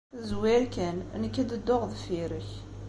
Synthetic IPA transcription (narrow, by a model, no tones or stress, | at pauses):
zwiɾkæn̰nəkːæd̪əd̪ːoʁðfiɾəç